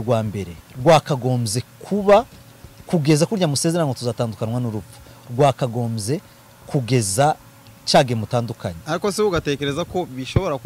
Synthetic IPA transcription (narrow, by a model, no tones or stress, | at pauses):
ɾɡwaːmbe̞ɾe̞ɾɡwaːkaɡo̞ːmze̞kʰuβa | kuɡe̞zakuɾjamuse̞ːzeɾanŋɡotuzaːtaːndukanwanuɾuu̥ɾɡwaːkaɡo̞ːmze̞ | kuɡe̞za | t͡ʃaːɡemutaːndukaɲeaɾiko̞siuɡate̞ːke̞ɾezako̞βiʃo̞βo̞ɾak